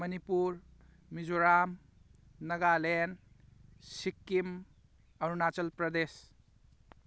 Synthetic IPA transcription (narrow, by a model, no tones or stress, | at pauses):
mɐnipuɾ | mid͡ʒoɾam | nɐɡalen | sikːim | ɐɾunat͡ʃɐlpɾɐd̪es